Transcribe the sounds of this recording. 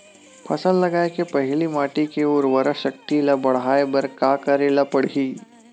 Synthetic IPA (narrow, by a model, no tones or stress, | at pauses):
pʰɐsəllɐɡaːekepɐɦɪlimaːʈikeoːɾʋɐɾəʃɐkt̪ilɐbɐɽ̤aːebɐɾkaːkɐɾelapɐɽiː